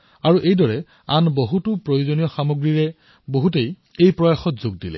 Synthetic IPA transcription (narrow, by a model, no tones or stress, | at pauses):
aɹuʔejdɔɹɛ | anboɦutʊpɹojuzonijɔxamoɡɹiɹɛ | boɦutej | ejpɹɔjaxɔtzoɡ̚dilɛ̰